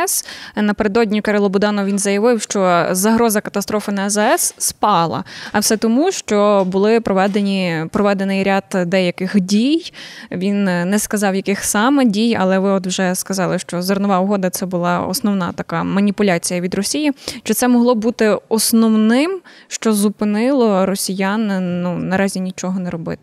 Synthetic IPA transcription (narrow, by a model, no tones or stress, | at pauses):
snɐpeɾed̪ɔdʲnʲikɐɾɪlˠɔbʊd̪ɑnɔʋʲinzɐjɐʋɪwʃt͡ʃɔzɐɦɾɔzɐkɐt̪ɐst̪ɾɔfɪnɐɛzɛɛsːpɑlˠɐ̰ɐwsɛt̪ɔmuʃt͡ʃɔbʊlˠɪpɾɔʋɛd̪enʲipɾɔʋɛd̪enɪjɾʲad̪d̪ɛjɐkɪxdʲijʋʲinːɛskɐzɑwjɐkɪxsɑmɛdʲijɐ̰lˠɛʋɪɔd̪wʒɛskɐzɑlˠɪʃt͡ʃɔzɐrnɔʋɑʊɦɔd̪ɐt̪sɛbʊlˠɑɔ̰snɔwnɑt̪ɐkɑmɐnʲipʊlʲat͡sʲijɐʋʲid̪rɔsʲijiʃt͡ʃɔt̪sɛmɔɦlˠɔbut̪ɪɔsnɔwnɪmʃt͡ʃɔzupɪnɪlˠɔɾɔsʲijannunɐɾɑzʲinʲit͡ʃɔɦɔnɛɾɔbɪ̰t̪ɪ